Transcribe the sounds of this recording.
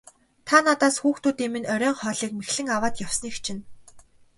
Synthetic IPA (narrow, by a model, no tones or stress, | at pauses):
t̪ʰanat̪aːsxuːxt̪uːt̪iːmɘ̆nœɾʲœːɴχœːɮiːk̚mexɮɘ̆ŋawaːt̪jawsniːxt͡ɕʰɪ̆n